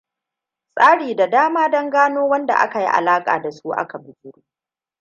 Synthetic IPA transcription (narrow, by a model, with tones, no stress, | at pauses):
sʼaː˦ɽiː˨da˨daː˦maː˦dɐ˦ŋɡaː˦noː˦wɐ˦nda̰˨ʔa̰˦ka˨jḭ˦ʔa̰˨laː˦kʼa̰ː˨da˨su˦ʔa̰˦ka˨bʊ˦˨d͡ʒʲʊ˦ɽuː˦